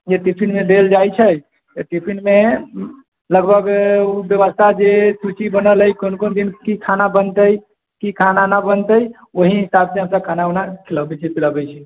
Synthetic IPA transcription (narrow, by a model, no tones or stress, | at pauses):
d͡ʒeʈipʰinmed̪eld͡ʒajt͡ʃʰɛ | t̪əʈipʰinme | ləɡbʱəɡubjəβəst̪ʰad͡ʒesut͡ʃibənəlɦəjkonkond̪inkikʰanabənt̪əj | kikʰananabənt̪əj | oɦiɦisabseɦəmsəb̚kʰanaonakʰiləbɛt͡ʃʰɛpʰiləbɛjt͡ʃʰɛ